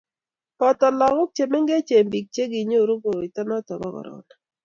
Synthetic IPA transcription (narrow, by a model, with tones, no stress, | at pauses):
pɔ˨t̪ɔ˨lɔ˨kʊ˦k̚t͡ʃe˨me˦ŋɡe˦t͡ʃe˨mbi˨k̚t͡ʃe˦ɡi˨ɲo˦˨ɾo˦ɡo˨ɾi˨tɔ˦nɔ˦tɔ˨bɔ̰˦ɡɔ̰˨ɾɔ̰˨na˨